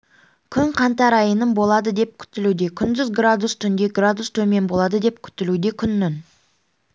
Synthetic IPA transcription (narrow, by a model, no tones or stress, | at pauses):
kʲʰʏŋqʰɑnt̪ɑɾɑjənəmbo̞lˠɑd̪əd̪e̞p̚kʲʰʏ̥t̪ɪlud̪e̞kʲʰʏnd̪ʏzɡrad̪ust̪ʰʏnd̪e̞ɡrad̪ust̪ʰɵme̞nbo̞lˠɑd̪əd̪e̞p̚kʲʰʏ̥t̪ɪlud̪e̞kʲʰʏnːɪn